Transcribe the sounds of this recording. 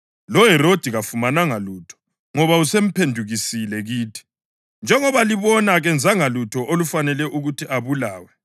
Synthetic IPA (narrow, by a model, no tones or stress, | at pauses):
lɔɦɛɾod̥ʱiɣafumanaŋaluːtʰɔ̥ | ŋɔβausem̩pʰendʱuɣisilɛɣiːtʰi̥ | nd͡ʒʱɛŋɔβaliβɔnaɣɛnd͡zʱaŋalutʰɔʔolufanɛlɛʔuɣutʰiʔaβulaːwɛ